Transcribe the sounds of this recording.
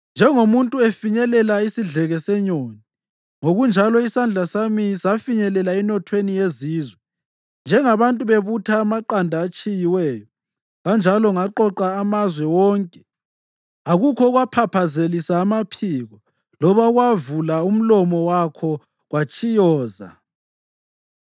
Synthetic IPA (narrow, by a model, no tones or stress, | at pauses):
nd͡ʒʱɛŋomuntʼuefiɲɛlɛlaisiɮɛɣɛsɛɲoːni | ŋoɣund͡ʒʱalɔisand͡ɮʱasamisafiɲɛlɛlaɛnɔtʰwenijeziːzwɛ | nd͡ʒʱɛŋaβantʼuβeβutʰaːmaǃandʱaːt͡ʃʼijiwɛːjɔ | ɣand͡ʒʱalɔŋaǃɔǃaːmazwɛwɔŋkʼɛ̥ | aɣukʰɔɣwapʰapʰazelisaːmapʰiːɣɔ | lɔβaɣwavulaum̩lɔmɔwakʰɔ | ɣwat͡ʃʼijɔːza̰